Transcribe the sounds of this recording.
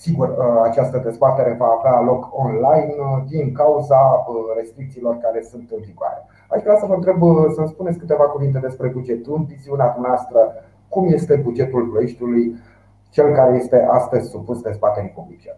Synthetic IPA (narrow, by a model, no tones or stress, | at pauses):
siɡurəat͡ʃast̪əd̪e̞zbat̪e̞ɾe̞vaːvealo̞kʰo̞nlajnd̪iŋkauzare̞st̪ɾik̚t̪siːlo̞rkaɾe̞sunt̪ɨnviɡoa̰ɾe | aʃvɾeawsəvəɨnt̪ɾebsəmspunetsʲkɨt̪e̞vakuvint̪e̞d̪espɾe̞bud͡ʒe̞t̪ɨnviziunead̪umneast̪ɾə | kumje̞st̪e̞bud͡ʒe̞t̪ulpɾojeʃt̪uluj | t͡ʃe̞lkaɾe̞je̞st̪e̞ʔast̪əzʲsupusd̪e̞zbat̪e̞ɾipublit͡ʃe